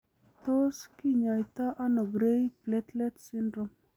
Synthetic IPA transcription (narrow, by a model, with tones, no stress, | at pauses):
t̪o˦ski˦ɲa˨jt̪a˦ʔa˦no˨ɡɾe˦jplɛt̪lɛtsi˦ndɾom